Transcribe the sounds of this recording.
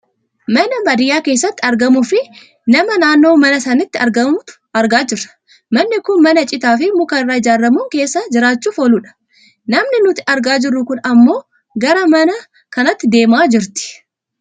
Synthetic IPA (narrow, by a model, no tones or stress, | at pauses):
mɐnɐmɐd̪ɪjaːke̞ːsːɐt̪ːɪɐɾɡɐmʊfɪ | nɐmɐnaːnːo̞ːmɐnɐsɐnɪt̪ːɪɐɾɡɐmʊt̪ | ɐɾɡaːd͡ʒɪrːɐ̥ | mɐnːɪkʊnmɐnɐt͡ʃʼɪt̪aːfɪmʊkɐɪrːaːɪd͡ʒaːɾːɐmuːŋke̞ːsːɐd͡ʒɪɾaːt͡ʃːuːfoluːᶑɐ̥ | nɐmnɪnʊt̪ɪ̥ɐɾɡaːd͡ʒɪrːʊkʊnɐmːo̞ː | ɡɐɾɐmɐnɐ | kɐnɐt̪ːɪd̪e̞ːmaːd͡ʒɪɾt̪ɪ̥